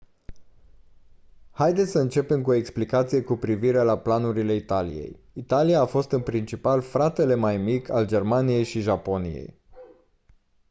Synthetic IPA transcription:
hajd̪et̪sʲsəɨnt͡ʃe̞pe̞mkuo̞e̞ksplikat̪sije̞kupɾiviɾe̞laplanuɾile̞it̪alḭje̞̰j | it̪alijaːfo̞st̪ɨnpɾint͡ʃipalfɾat̪e̞le̞majmikʰʲald͡ʒe̞rmanije̞jʃiʒapo̞nḭjḛj

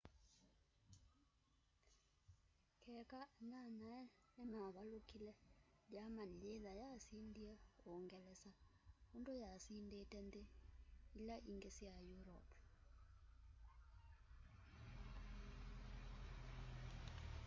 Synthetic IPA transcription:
kʰɛkananaɛ | nɛmaβalukilɛdjamanileðajasindiɛoŋɡɛlɛsaundojasindetɛnd̪eilaʔiŋɡesiajuɾɔ̰pʰ

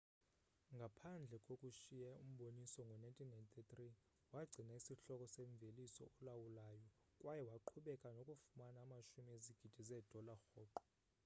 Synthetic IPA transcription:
ŋɡʱapʰand͡ɮʱɛkʼokʼuʃijɛum̩ɓonisɔŋɡʱɔnajntʼinajnt̪ʰʼitri | waɡ͡ǀʱinaisiɬɔkʼɔseɱb̪velisɔ̰ɔlawulaːjɔ | kʼwajɛwaǃʰuɓɛkʼanokʼufumanaːmaʃumieziɡ̥ʱid̥ʱizɛd̥ʱɔlaxɔːǃɔ̥

